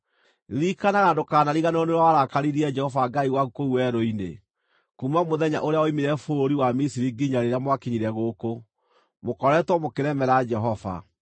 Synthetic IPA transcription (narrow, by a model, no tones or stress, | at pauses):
ɾikanaɣandokaːnaɾiɣanɔneɾwawaɾakaɾiɾiɛd͡ʒɛhɔvaɡaiwaɣukouwɛɾoinḛ | kumamoðɛɲa̰ʔoɾeaɔimiɾɛfoɾiwamisiɾiɡiɲaɾeɾeamwakiɲiɾɛɣoːko | mokɔɾɛtwɔmokeɾɛmɛɾad͡ʒɛɦɔva̰